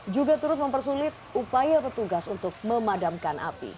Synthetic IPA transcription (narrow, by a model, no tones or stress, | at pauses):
d͡ʒuɡat̪uɾʊt̪̚məmpərsulɪt̪̚upajapət̪uɡasunt̪ʊk̚məmadamkanʔa̰pḭ